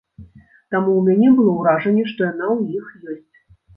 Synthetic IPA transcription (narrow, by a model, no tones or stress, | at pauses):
t̪amuwmʲanʲɛbɨlˠɔwɾaʐɐnʲːɛʂt̪ɔjanawjixjɔsʲt͡sʲ